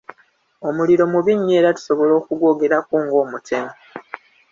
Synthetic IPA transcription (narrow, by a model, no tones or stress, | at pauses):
o̞muliɾo̞muβiɲːeːɾatu̥so̞βo̞lo̞ːkuɡwo̞ːɡe̞ɾakuːŋɡo̞ːmutemo